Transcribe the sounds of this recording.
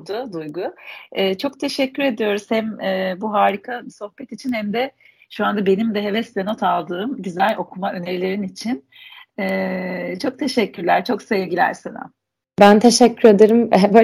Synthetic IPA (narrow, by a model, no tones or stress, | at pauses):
d̪ʊd̪ujɡʊɛːt͡ʃʰo̞k̚t̪ʰe̞ʃɛcʰːyɾe̞d̪ijo̞ɾuz̥hæmɛːbuɦaːɾikʰaso̞hpɛt̪it͡ʃʰinhæmd̪ɛ | ʃuand̪abe̞nimd̪ɛɦe̞vɛst̪eno̞t̪ʰalˠd̪ɯːmɟyzælʲo̞kʰumaʔø̞ne̞ɾilʲe̞ɾinit͡ʃʰin | ɛːt͡ʃʰo̞k̚t̪ʰe̞ʃɛcːyɾlʲæɾt͡ʃʰo̞ksevɟilʲæ̰ɾsena̰ | bænt̪ʰeʃɛcʰːyɾed̪eɾɯmbo